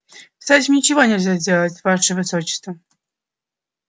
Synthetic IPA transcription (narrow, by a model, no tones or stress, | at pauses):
kst̪atʲɪmʲnʲɪt͡ɕɪvonʲɪlʲzʲadʲelˠət͡sʲvaʂəvɨsot͡ɕɪ̥st̪və